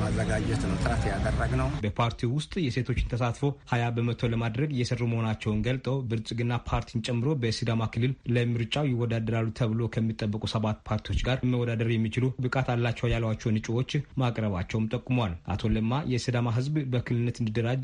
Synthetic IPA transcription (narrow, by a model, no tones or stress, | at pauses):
azːəɡad͡ʒɛt̪nəwt̪ɨɾaht̪jad̪ərːəɡnəwbəpʰaɾt̪ʰiwʊst̪ʼjɛse̞t̪ʰo̞t͡ʃːɪnt̪ʰəsat̪fohajabəmət̪ʰo̞ləmad̪ɾəɡjɛsərːuməhonat͡ʃːɛwnɡəlt̪ʼəwbɨɾt͡ʃʼɡɨnːapʰaɾt̪ʰint͡ʃʼɛmːɨɾo̞bəsɨd̪amakʰɨlːɨlləmɨɾt͡ʃʼawjɪwːɔd̪ad̪əɾalːut̪ʰəβɨlo̞kʰəmːit̪ʼːəbːəkʼusəβat̪pʰaɾt̪ʰijwo̞t͡ʃɡaɾməwɔd̪ad̪əɾjɛmːit͡ʃɪlubɨkʼat̪alːat͡ʃːɛwjalːəwat͡ʃːɛwnɨt͡ʃʼwo̞t͡ʃːmakʼɾəβat͡ʃːɛwmt̪ʼəkʼːumowalʔa̰t̪ʰo̞ləmːajɛsɨd̪amaɦɨzbbəkʰɨlɨɨnːət̪ɨnd̪id̪əɾad͡ʒ